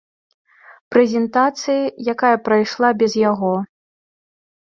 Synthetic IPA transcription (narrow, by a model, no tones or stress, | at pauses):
pɾɛzʲɛnt̪at̪sɨjijakajɐpɾajʂlˠabʲɛzjaɣɔ